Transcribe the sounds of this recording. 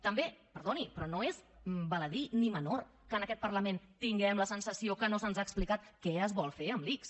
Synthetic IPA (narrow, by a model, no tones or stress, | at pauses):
t̪əmbepəɾðonipɾɔnoezmbələðinimənor | kənəkɛt̪pəɾləment̪iŋɡɛmləsənsəsiokənosənzaːksplikat̪kɛəzβɔlˠfeəmliks